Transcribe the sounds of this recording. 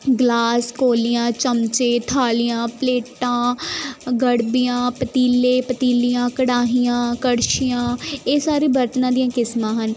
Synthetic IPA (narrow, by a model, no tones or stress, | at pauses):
ɡlaːskoːlijãːt͡ʃəmt͡ʃeːt̪ʰaːlijãːpleːʈãː | ɡəɽbijãːpət̪iːleːpət̪iːlijãːkəɽaːɦijãːkəɽʃijãːeːsaːɾiːbəɾt̪nãːd̪ijãːkɪsmãːɦən